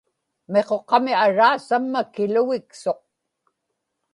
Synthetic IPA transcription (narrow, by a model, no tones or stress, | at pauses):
me̞qo̞qɑmiaɻaːsamːakɪlʊɣɪkso̞q̚